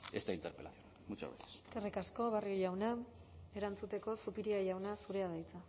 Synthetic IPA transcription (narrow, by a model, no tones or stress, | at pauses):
est̪aint̪eɾpelaθjon | mut͡ʃa̰βḛθesekerikasko̞βarioʎawnae̞ɾant͡sut̪e̞ko̞supiɾiaʎawnasuɾe̞að̞ajt͡sa